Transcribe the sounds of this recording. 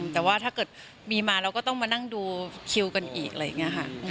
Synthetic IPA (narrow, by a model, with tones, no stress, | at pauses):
t̪ɛː˨˩waː˥˩t̪ʰaː˥˩kɤː˨˩t̪̚ | miː˧maː˧ɾa˧wkɔː˥˩t̪ɔ˥˩ŋmaː˧na˥˩ŋduː˧kʰi˧wka˧nʔḭː˨˩k̚ʔa˧ɾj̰ːa˨˩ŋːni˦˥ɐkʰa˥˩ʔɯ˧˩